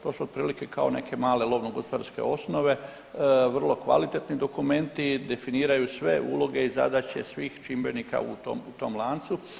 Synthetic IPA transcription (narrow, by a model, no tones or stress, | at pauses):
t̪o̞ːsuot̪̚pɾiːlikekaone̞̰kʰe̞maːlelˠo̞ʋnoɡospod̪aɾske̞̰o̞sno̞ʋe̞ | ʋrlˠo̞kʋa̰lit̪et̪nid̪o̞kume̞nt̪id̪e̞finiːɾajusʋe̞ʔṵlo̞ɡe̞iza̰d̪at͡ɕe̞sʋiːxt͡ʃimbe̞nika̰ṵt̪o̰mut̪o̞mlˠaːnt̪su